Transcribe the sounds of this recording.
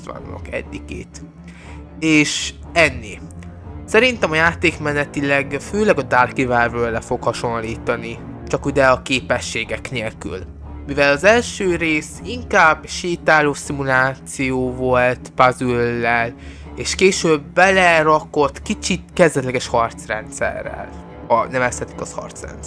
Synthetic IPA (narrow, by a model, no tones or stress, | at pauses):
vɒ̰nːo̰kɛ̰d̪ːikḛːt̪ | eːʃ | ɛnːeːsɛɾint̪ɛmɒjaːt̪eːkmɛnɛt̪ilɛɡføːlɛɡɒd̪aːrkivɛrvøːlɛfo̞khɒʃo̞nliːt̪ɒnit͡ʃɒkud̪ɛɒkeːpɛʃːeːɡɛkneːlky̰l | mivɛlɒzɛlʃøːɾeːsiŋkaːbʃiːt̪aːloːsimulaːt̪sijoːvo̞lt̪pazylːɛl | eːʃkeːʃøːbːɛlɛɾɒko̞t̪kit͡ʃit̪kɛzd̪ɛt̪lɛɡɛʃhɒrt̪srɛnt̪sɛ̰rːɛ̰l | ɒnɛvɛshɛt̪i̥kɒshɒ̰rt̪srɛ̰ns